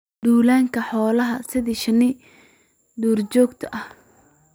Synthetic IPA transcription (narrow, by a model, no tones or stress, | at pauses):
d̪uːlaːŋkʰɐħɔːlɐɦɐsɪðiʃɐnɪ | d̪uːrt͡ʃɔːɡt̪ʰɐʔɐh